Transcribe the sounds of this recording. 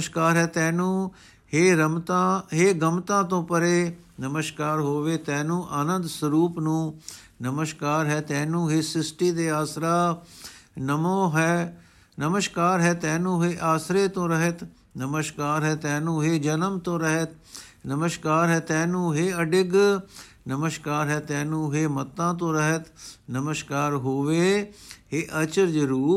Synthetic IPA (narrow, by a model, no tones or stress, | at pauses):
ʃkaːɾɦɛːt̪ɛ̃ːnũː | heːɾəmt̪ãɦeːɡəmt̪ãːt̪õːpəɾeː | nəməʃkaːɾɦoːʋeːt̪ɛ̃ːnũːʔanə̃nd̪səɾuːpnũː | nəməʃkaːɾɦɛːt̪ɛ̃ːnũːɦeːsɪsʈiːd̪eːaːsɾaː | nəmõːɦɛː | nəməʃkaːɾɦɛːt̪ɛ̃ːnũːɦeːʔaːsɾeːt̪õːɾəɦət̪ | nəməʃkaːɾɦɛːt̪ɛ̃ːnũːɦeːd͡ʒənəmt̪õːɾəɦət̪ | nəməʃkaːɾɦɛːt̪ɛ̃ːnũːɦeːəɖɪɡ | nəməʃkaːɾɦɛːt̪ɛ̃ːnũːɦeːmət̪ːãːt̪õːɾəɦət̪nəməʃkaːɾɦoːʋeːɦeːʔət͡ʃəɾd͡ʒɾuːp